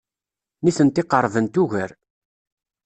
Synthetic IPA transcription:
niθənt̪ɪqəɾˤvənt̪uʝəɾ

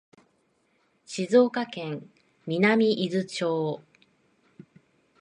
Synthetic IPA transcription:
ɕizo̞ːkakẽ̞ŋ | mʲinamʲiʔizɨt͡ɕoː

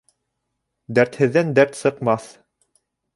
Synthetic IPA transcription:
d̪æɾt̪hɘ̆ðːænd̪æɾt̪sɤ̆qmɑθ

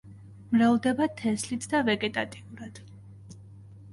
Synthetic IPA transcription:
mɾavd̪ɛbat̪ʰɛslit̪ʰd̪avɛɡʼɛt̪ʼat̪ʼiuɾad̪̥

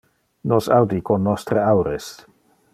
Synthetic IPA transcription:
nosawd̪ikonːɔst̪ɾeawɾes

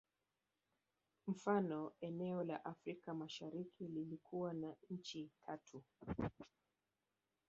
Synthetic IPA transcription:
m̩fanɔɛnɛɔla̰ʔafɾikamaʃaɾikʰililikʰuwanaɲ̩t͡ʃitʰatʰu

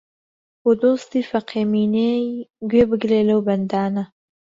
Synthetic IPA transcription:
pod̪ost̪ifaqeminejɡwebəɡleləwband̪ɑːna

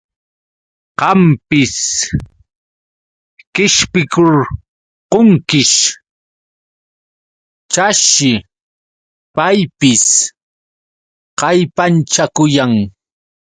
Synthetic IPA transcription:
qɑmpɪs | kɪʃpɪkʊɾ | qoŋkɪʃ | t͡ʃaʃɪ | pajpɪs | qɑjpant͡ʃakʊjaŋ

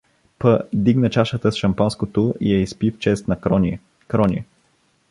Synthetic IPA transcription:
pəd̪iɡnət͡ʃaʃət̪əsʃɐmpanskot̪oʔijɛispift͡ʃɛst̪nɐ | kɾɔnʲi

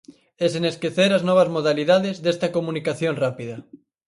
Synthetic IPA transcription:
eseneskeθeɾaznɔβ̞ɐzmoð̞aliðaðezðest̪ɐkomunikaθjoŋrapiðɐ

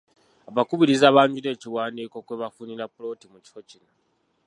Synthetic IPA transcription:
aβakuβiɾizaːβaːɲɟuɾe̞ːciwaːndiko̞kwe̞βafuniɾapulo̞ːtimuci̥fo̞cino

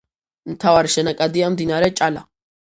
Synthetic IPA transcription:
ɨnt̪ʰawaɾʃɛnakʼad̪ijamd̪inaɾɛt͡ʃʼala

